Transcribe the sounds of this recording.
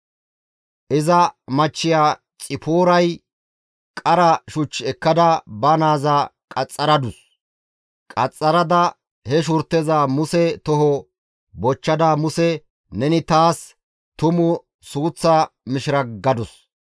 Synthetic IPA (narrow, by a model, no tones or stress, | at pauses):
ʔɪzɐmɐt͡ʃːɪjaː | t͡sʼɪpoːɾɐj | kʼɐɾɐʃʊt͡ʃːɛkːɐd̪ɐbɐnaːzɐ | kʼɐt͡sʼːɐɾɐd̪ʊs | kʼɐt͡sʼːɐɾɐd̪ɐ | hɛʃ̬ʊɾt̪ːɛzamʊsɛt̪ɔɦɔ | bɔt͡ʃːɐd̪amʊsɛ | nɛnɪt̪aːs | t̪ʊmʊ | suːt͡sːamɪʃɪɾɐɡɐd̪ʊs